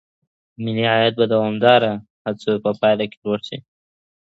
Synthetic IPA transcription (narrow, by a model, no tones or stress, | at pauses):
mɪliajat̪̚bad̪awɑmd̪ɑɾa | hat͡sopəpɑjlakelwoɽʃḭ